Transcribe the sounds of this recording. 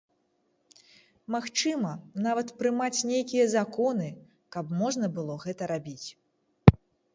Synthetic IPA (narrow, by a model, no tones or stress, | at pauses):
maxt͡ʂɨmɐnavɐt̪pɾɨmat͡sʲnʲejkʲijɐzakɔnɨ | kɐpmɔʐn̪ɐbɨlˠɔɣɛt̪ɐɾabʲit͡sʲ